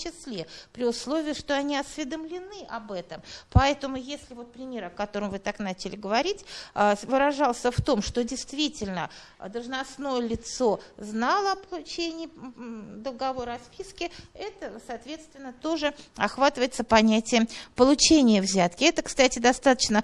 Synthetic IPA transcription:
t͡ɕɪslʲe̞pɾʲɪʊslˠovʲɪəʂt̪o̞ɐnʲiɐsʲvʲɪd̪əmlʲɪnɨʔɐbɛt̪əmpɐɛt̪əmʊjesʲlʲɪvo̞t̪̚pɾʲɪmʲe̞ɾɐkɐt̪o̞ɾəmvɨt̪aknat͡ɕɪlʲɪɡəvɐɾʲitʲvɨɾɐʐɑlˠsʲəft̪o̞mʂt̪o̞dʲɪjst̪vʲitʲɪlʲnə | d̪əlˠʐnɐsno̞jəlʲɪt̪so̞znɑlˠəɐpəlˠʊt͡ɕenʲɪːd̪əlˠɡɐvo̞ɾəɐspʲiskʲɪɛt̪əsɐːt̪vʲe̞t̪st̪vʲɪnːət̪o̞ʐɨɐxvat̪ɨvəjɪt̪səpɐnʲætʲɪjəmpəlˠʊt͡ɕenʲɪjəvzʲat̪kʲɪɛt̪əkst̪atʲɪd̪ɐst̪at̪ə̥t͡ɕnə

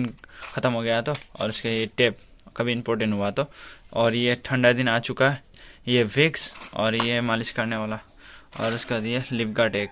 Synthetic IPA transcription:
nxɐt̪əmɦoɡɐjat̪ʰoɔ̰ːɾʊskajeʈeːp̚ | kɐbʱiɪ̃mpoːɾʈ̬ẽɳʈɦuat̪ʰoɔːɾjeʈʰɐ̃ɳɖad̪ɪnaːt͡ʃʊkaɦɛ | jeʋɪksɔ̰ːɾjemaːlɪskɐɾneʋaːla | ɔ̰ːɾʊskajelɪpɡaʈeːk

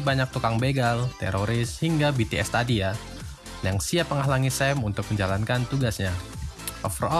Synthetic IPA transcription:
baɲak̚t̪ukaŋbeɡalt̪ɛ̰ɾoɾɪshiŋɡabit̪eɛst̪adia | jaŋsiapːəŋaɦlaŋisɛmunt̪ʊk̚məɲd͡ʒalankant̪uɡasɲaʔɔ̰frɔ

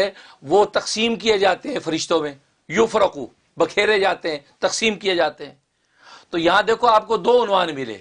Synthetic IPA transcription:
ɛʋot̪ɐqsiːmkied͡ʒaːt̪eɦɛ̃fɐɾɪʃt̪õmẽ | jʊfɾəqu | bɐkʰeːɾẽd͡ʒaːt̪eɦɛ̃ːt̪ɐqsiːmkijed͡ʒaːt̪eɦɛ̃ː | t̪ojɐɦãd̪eːkʰoaːp̚kod̪oːʊnʋaːnmɪlḛː

